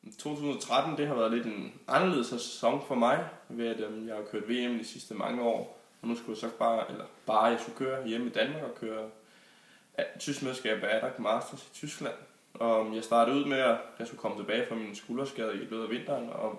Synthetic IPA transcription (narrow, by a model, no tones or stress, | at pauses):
t͡sʰo̝̰ːt͡sʰṵːsn̩ɒ̽t͡sʰʁad̥n̩d̥e̝ɦɑʋæɐð̞̩ˠle̝d̥e̝nʔɑ̈nɐle̝ð̩ˠshæse̥sɒ̽ŋfɒ̽mɑ̈ɪʋe̝æd̥ejɑ̈ɪhakʰøɐd̥ʋe̝̰ːemn̩d̥isisd̥əmɑ̈ŋəɒ̰ː | ɒ̽nusɡ̥ujɑsɒ̥̽b̥ɑ̈ːelɐb̥ɑ̈ːjɑ̈ɪsɡ̥ukʰøːɐjemid̥ænmɑ̈ɡ̥ɒ̽kʰøːɐ | t͡sʰysɡ̥meðˠsɡ̥ɛ̰ːb̥ææɾ̥ɑɡ̥mɑsd̥ɐsi̥t͡sʰysɡ̥læn̰ | ɒ̽jɑ̈ɪsd̥ɑ̈ːd̥ð̩ˠuð̞̰ˠmeɒjɑ̈sɡ̥ukʰɒ̽mət͡sʰe̝b̥ɛːɪfʁɑminsɡ̥uːlɒsɡ̥ɛːð̞ˠlø̰ːðˠɐʋe̝n̰d̥ɐːnɒ̽